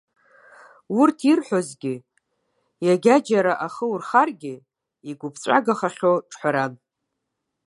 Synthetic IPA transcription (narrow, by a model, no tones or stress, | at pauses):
wʊrtʰirħʷᶣozɡʲɪ | jaɡʲad͡ʒaɾaʔaχəurχarɡʲɪ | iɡʷʊpʰt͡ɕʷʼa̰ɡaχaχʲoʈ͡ʂʰʼħʷaɾan